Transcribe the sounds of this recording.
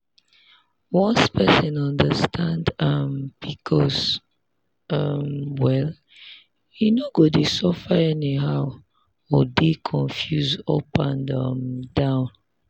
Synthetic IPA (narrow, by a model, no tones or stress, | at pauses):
wɔ̃nspɛsə̃nɔ̃ndəstʰãndʌmb̥ikʰɔz | ʌmwɛl | jinoɡodesɔfəɛniɦaʊ | ɔdikʰɔ̃nfjuzɔpãnʌmdãʊ̃n